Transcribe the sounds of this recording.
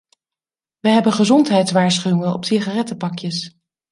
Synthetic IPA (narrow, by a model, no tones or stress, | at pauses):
ʋəɦɛbənχəzɔntɦɛjtsʋaːɹsχyɪŋənɔ̰psiχarɛtəpɑkjəs